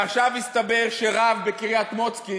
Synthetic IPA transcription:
aχʃavhist̪abeʁʃeʁavbekiʁijat̪mo̞t͡ski

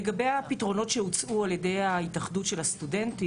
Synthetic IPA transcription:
eɡabe̞japitʁo̞no̞tʃeut͡sualjede̞jaitaχdutʃe̞lhastude̞nti

